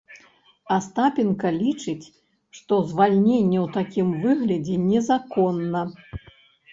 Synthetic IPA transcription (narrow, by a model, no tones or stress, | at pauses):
ɐst̪apʲinkɐlʲit͡ʂɨt͡sʲ | ʂt̪ɔzvalʲnʲenʲːɛwt̪akʲimvɨɣlʲɐd͡zʲɛnʲɛzakɔnːɐ